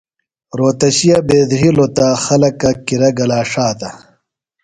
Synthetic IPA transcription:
ɾoːt̪ɐɕijɐbeːd̪ɦilot̪axɐlɐkɐkiɾɐɡɐlaːʂaːt̪ɐ

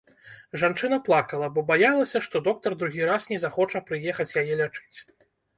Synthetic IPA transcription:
ʐant͡ʂɨnɐplˠakɐlˠɐbɔbajalˠɐsʲɐʂt̪ɔd̪ɔk̚t̪ɐrd̪ɾuɣʲiɾasnʲɛzaxɔt͡ʂɐpɾɨjɛxɐt͡sʲjajɛlʲat͡ʂɨ̥t͡sʲ

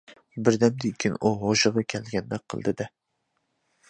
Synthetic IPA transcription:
bɪɾd̪ɛmd̪ikʲʰɪnuɦoʃɨʁɑkʲʰɛlɡʲɛnd̪ɛk̚qʰːə̰lˠd̪ɪd̪ɛ

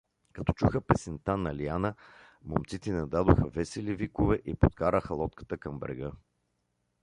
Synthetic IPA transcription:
kɐt̪ɔ̥t͡ʃuxəpɛsɛnt̪anɐlianə | momt̪sit̪ɛnɐd̪ad̪oxəvɛsɛlivikovɛʔipot̪kaɾəxəlˠɔt̪kə̥t̪əkɐmbɾɛ̰ɡə

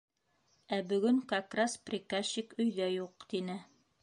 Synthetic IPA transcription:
æbɵ̆ɡɵŋkɑkrɑsprʲikaɕikɵ̆jðæjuq̚t̪inɘ

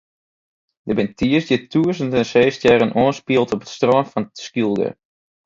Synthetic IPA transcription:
dəbɛntʰiəsdɪtuəsəntɛnseːstjɛɾənʔoənspiəlˠtɔpə̥tstroənfɔnskilˠɡə̰

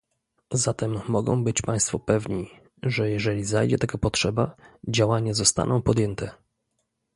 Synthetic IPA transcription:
zat̪ɛmːɔɡɔ̰̃w̃bɘt͡ɕpaj̃st̪fɔpɛvɲi | ʐɛjɛʐɛlʲizajd͡ʑɛt̪aɡapɔtʂɛbad͡ʑawaɲazɔst̪a̰nɔ̃w̃pɔd̪jɛnt̪ʰɛ

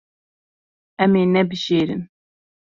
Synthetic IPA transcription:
ɛmeːnɛbɨʒeːɾɨ̰n

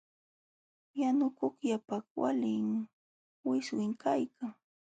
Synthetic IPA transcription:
janʊkʊkjapakwa̰lɪŋ | wɪswɪŋkʰajkʰaŋ

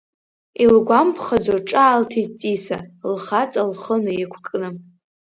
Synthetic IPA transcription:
ilɡʷampʰχad͡zoʈ͡ʂʼaːltʰit͡sʼisalχat͡sʼalχənɨikʷʰkʼnɨm

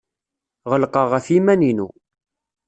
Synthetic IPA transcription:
ʁəlqɑʁæfimæninu

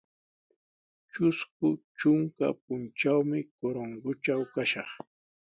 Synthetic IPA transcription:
t͡ʃʊskʊt͡ʃʊŋka̰p̚ʊnt͡ʃawmɪkoɾoŋɢʊt͡ʃawkaʃɑχ

